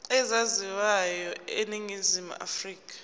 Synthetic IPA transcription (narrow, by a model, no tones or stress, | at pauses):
ɛzaziwajɔeniŋizimṵa̰friːk̬ʰʼḁ